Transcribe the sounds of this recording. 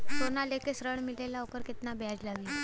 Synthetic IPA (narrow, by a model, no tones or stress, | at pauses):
sonalekesɾəɳmilelaokəɾket̪nabjad͡ʑlaʋi